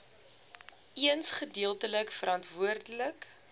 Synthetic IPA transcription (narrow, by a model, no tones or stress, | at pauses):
iənsχədiəlˠtələkfəɾɐntvuərdələk